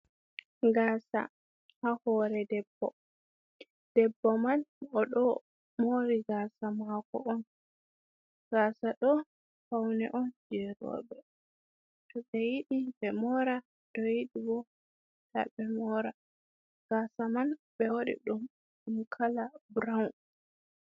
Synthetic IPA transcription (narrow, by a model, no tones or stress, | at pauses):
ɡaːsa̰ | hahɔɾɛdɛbːɔ̰ | d̥ɛbːɔmanɔɗɔ | moɾiɡaːsamakɔ̰ɔn | ɡaːsaɗɔ | fawnɛʔɔnd͡ʒɛɾɔ̰ɓɛ | tɔɓɛjiɗibɛmɔɾa | tɔjiɗibɔ | la̰bɛmɔɾa | ɡ̥aːsamanɓɛwoɗḭɗum | ɗumkʰalabɾawn